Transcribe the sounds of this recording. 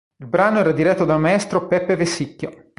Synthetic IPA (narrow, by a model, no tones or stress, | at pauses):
ilbɾaːnoɛːɾad̪iɾɛt̪ːod̪almaɛst̪ɾopɛpːevesːikːjo